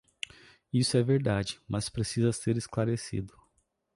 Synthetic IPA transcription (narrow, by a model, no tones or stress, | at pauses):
isʊɛveɾd̪ad͡ʒɪmɐspɾesizɐseɾɪsklaɾesḭd̪ʊ